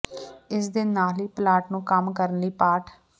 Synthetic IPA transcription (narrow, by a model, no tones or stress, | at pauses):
ɪsd̪ɪnːaːliːplaːʈnũːkəmkəɾənliːpaːʈʰ